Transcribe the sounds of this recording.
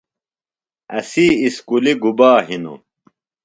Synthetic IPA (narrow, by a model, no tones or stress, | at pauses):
ɐsiːskuliɡubaːɦino̰